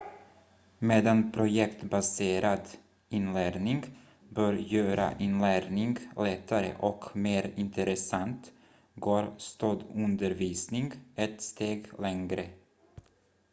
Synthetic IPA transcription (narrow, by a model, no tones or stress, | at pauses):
meːd̪anpʰɾʊjɛkt̪baseːɾad̪ | ɪnlæːɾnɪŋɡ | bœːɾjøːɾa̰ʔɪnlæːɾnɪŋɡlɛt̪ʰːaɾə̰ʔɔkmeːɾɪnt̪ʰəɾɛsant̪ | ɡoːɾst̪od̪ɵnd̪əɾviːsnɪŋɡɛt̪st̪eːɡlɛŋɡɾə